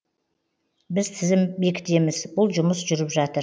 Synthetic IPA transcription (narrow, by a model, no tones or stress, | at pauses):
bɪzt̪ʰɪzɪmbe̞kʲt̪ʰe̞mɪzbʊlˠʒʊmʊsʒʏɾɪpʒɑt̪əɾ